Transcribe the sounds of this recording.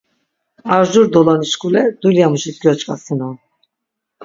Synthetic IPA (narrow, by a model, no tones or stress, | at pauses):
aɾʒuɾd̪ɔlaniʃkʼulɛd̪uljamuʃit̪ɡɔt͡ʃʼkʼasinɔn